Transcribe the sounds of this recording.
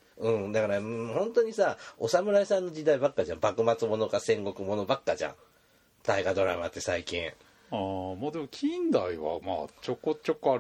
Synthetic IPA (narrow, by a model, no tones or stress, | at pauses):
ɯ̟̃ɴd̪akaɾahõ̞nt̪o̞ɲ̟isao̞samɯ̟ɾaisãnːo̞d͡ʑid̪aibakːaʑã̰mbakɯ̟mat͡sɨmo̞no̞kasẽ̞ŋɡo̞kɯ̟mo̞no̞bakːaʑã̰ɴ̃ | t̪aiɡad̪o̞ɾama̰t̪ːe̞saikʲĩɰ̃ | aːmaːd̪e̞mokʲʰĩnd̪aiβa̰ma̰ːt͡ɕokːot͡ɕokːoa